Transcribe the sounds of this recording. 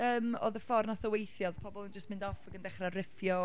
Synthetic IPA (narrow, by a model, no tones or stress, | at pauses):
əːmo̰ːðəfɔrnaθəwejθjɔðpʰɔbɔlˠənd͡ʒəstmɪ̃ndɔfaɡəndɛχrarɪfjɔ